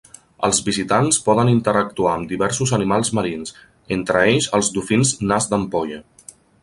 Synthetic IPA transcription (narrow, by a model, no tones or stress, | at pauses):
ə̰lˠzβizit̪anspɔðənint̪əɾək̚t̪uaəmd̪iβɛɾsuzənimalˠzməɾins | ent̪ɾəeʎzəlˠzd̪ufinznazd̪əmpɔʎə